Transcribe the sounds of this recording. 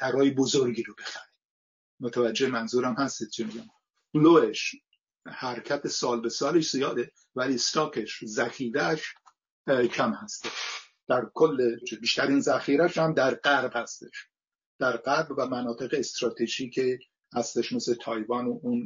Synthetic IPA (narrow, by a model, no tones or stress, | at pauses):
t̪ʰæɾɒːjebozoɾɡiːɾobe̞xæɾe | mot̪ʰævæd͡ʒːemænzuːɾæmhæst̪e̥t͡ʃʰimiɡæm | b̥loeʃ | hæɾcʰæt̪ʰesɒːlbesɒːleʃz̥ijɒːd̪e | væliːst̪ɒːkʰeʃzæxiːɾæʃ | cʰæmhæst̪eʃ | d̪̥æɾkʰolːebiːʃt̪æɾinzæxiːɾæʃhæmd̪æɾɢæɾbhæst̪eʃ | d̪̥æɾɢæɾbvæmænɒːt̪ʰe̞ɣeːst̪ɾɒːt̪ʰeʒiːcʰe | hæst̪eʃmeslet̪ʰɒːjvɒnoun